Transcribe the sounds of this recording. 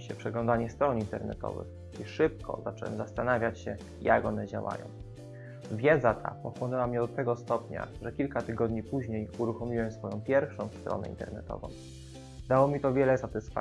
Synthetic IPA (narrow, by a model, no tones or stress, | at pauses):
ɕɛpʂɛɡlɔ̃nd̪aɲɛst̪ɾɔnint̪ɛɾnɛ̰t̪ɔ̰vɘ̰x | iʂɘp̚kɔ̰zat͡ʂɛwɛ̰mzast̪anavʲjat͡ɕɕɛ | ja̰kɔnɛd͡ʑa̰wa̰jɔ̰̃w̃ | vʲjɛd̪zat̪ʰa̰pɔxwɔnɛwamɲɛɔt̪ːɛɡɔst̪ɔpɲa̰ʐɛkʲilkat̪ɘɡɔd̪ɲipuʑɲejuɾuxɔmʲiwɛmsfɔjɔ̃w̃pʲjɛɾfʂɔ̃w̃st̪ɾɔ̰nɛ̰int̪ɛ̰ɾnɛt̪ɔ̰vɔ̰̃w̃ | d̪awɔmʲit̪ɔvʲjɛlɛsat̪ɘsfa